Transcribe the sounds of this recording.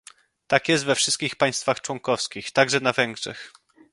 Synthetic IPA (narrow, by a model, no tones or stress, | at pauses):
t̪akjɛst̪vɛfʂɘst̪kʲixpaj̃st̪faxt͡ʂwɔŋkɔfskʲixt̪aɡʐɛnavɛŋɡʐɛ̰x